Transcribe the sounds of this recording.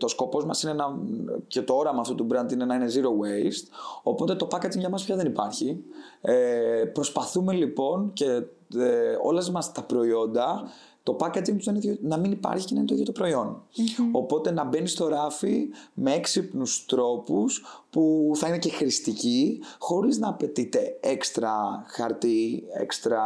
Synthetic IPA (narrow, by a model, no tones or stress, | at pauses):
t̪o̞sko̞po̞zmɐsinenɐce̞t̪o̞o̞ɾɐmɐːft̪ot̪ubɾɐnt̪inenɐine̞ziɾo̞west̪o̞po̞t̪et̪o̞pɐket̪iŋʝɐmɐspçɐðenipɐɾçi | epɾo̞spɐθume̞lipo̞nce̞ | o̞̰lɐzmɐst̪ɐpɾo̞io̞nd̪ɐ | t̪o̞pɐkɐt̪iŋt̪uzðeninɐminipɐ̰ɾçi̥cenɐint̪oçet̪opɾo̞io̞no̞po̞t̪e̞nɐbe̞nist̪o̞ɾɐfime̞eksipnust̪ɾo̞puspuθɐine̞ce̞xɾist̪icixo̞ɾiznɐːpe̞t̪it̪e̞ekst̪ɾɐxɐɾt̪iḛkst̪ɾɐ